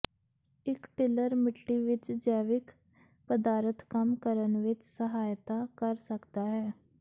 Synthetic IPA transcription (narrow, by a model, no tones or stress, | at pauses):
ɪkʈɪləɾmɪʈːiːʋɪt͡ʃd͡ʒɛːʋɪk | pəd̪aːɾət̪kəmkəɾənʋɪt͡ʃsəɦaːjt̪aːkəɾsəkd̪aːɦɛː